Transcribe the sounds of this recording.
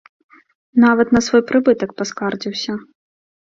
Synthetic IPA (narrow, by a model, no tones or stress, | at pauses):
navɐt̪nɐsvɔjpɾɨbɨt̪ɐk̚paskard͡zʲiwsʲɐ